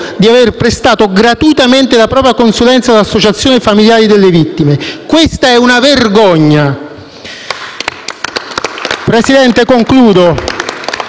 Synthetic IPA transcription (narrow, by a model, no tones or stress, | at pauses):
d̪iaverpɾest̪aːt̪oɡɾat̪uit̪ament̪elapɾɔːpɾjakonsulɛnt̪salasːot͡ʃat̪sːjoːnefamiljaːɾid̪elːevit̪ːimekwest̪aɛunaverɡɔɲːa | pɾesid̪ɛnt̪ekoŋkluːd̪o